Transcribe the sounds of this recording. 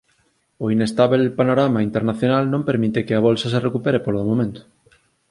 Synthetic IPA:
oinest̪aβelpanoɾamaint̪eɾnaθjonalnõmpeɾmit̪ekeaβolsas̬erekupeɾepoɾðomomẽnt̪o̥

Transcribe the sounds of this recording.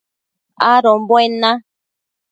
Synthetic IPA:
aɾɔm̩bɔɛna

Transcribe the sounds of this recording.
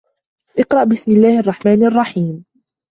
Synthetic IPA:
ʔɪqɾˤɑʔbɪsmɪlːaːhʔɑrˤːɑħmaːnʔɑrˤːɑħiːm

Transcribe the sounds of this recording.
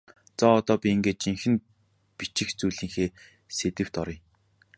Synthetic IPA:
t͡sɔːt̪ɔːpʲiiŋɡeːt͡ɕiŋxɘ̆n | pit͡ɕɪ̆xt͡sujɮiːŋxeː | set̪ɘ̆w̥t̪ɔɾɞ̆j

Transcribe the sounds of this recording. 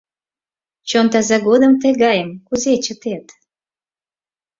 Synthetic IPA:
t͡ɕont̪æzæɡod̪əmt̪eɡɑjəmkuzʲet͡ɕət̪et̪

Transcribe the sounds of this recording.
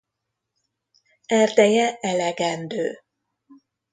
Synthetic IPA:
ɛrd̪ɛjɛɛlɛɡɛnd̪øː

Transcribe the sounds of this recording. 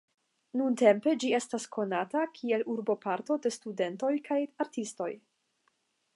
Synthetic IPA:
nunte̞mpe̞d͡ʒie̞staskʰo̞natakʰie̞luɾbo̞paɾto̞de̞stude̞nto̞jkʰajaɾtisto̞j

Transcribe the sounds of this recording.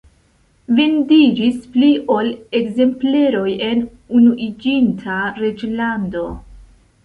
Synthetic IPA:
vendid͡ʒispliʔo̞le̞kze̞mple̞ɾo̞je̞n | unuʔid͡ʒintʰaɾed͡ʒlando̞

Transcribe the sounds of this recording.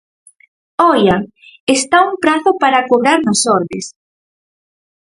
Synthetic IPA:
ɔja | est̪auŋpɾaθʊpaɾakoβɾaɾnasɔɾðes

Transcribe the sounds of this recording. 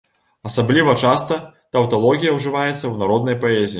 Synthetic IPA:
ɐsablʲivɐt͡ʂast̪ɐt̪ɐwt̪alˠɔɣʲijɐwʐɨvajɛt̪sːɐwnaɾɔd̪nɐjpaɛzʲijː

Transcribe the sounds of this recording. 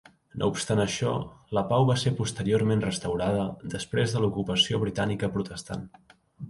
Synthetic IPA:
nʔo̰upst̪anəʃɔ̰ləpawβasepust̪əɾioɾmenrəst̪əwɾað̞əðəspɾezðəlukupəsioβ̞ɾit̪anikəpɾut̪əst̪a̰n

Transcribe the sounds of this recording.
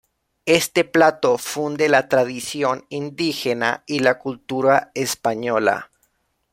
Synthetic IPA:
e̞st̪e̞plat̪o̞fund̪elat̪ɾaðisjo̞nind̪ixena̰ilakult̪uɾaespaɲo̞la̰

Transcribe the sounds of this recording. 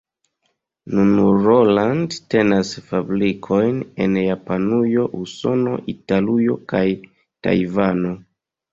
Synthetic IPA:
nunɾolandte̞nasfabɾikʰojne̞̰njapanujo̞ʔuso̞no̞̰ʔitalujo̞kaj | ta̰jvano̞

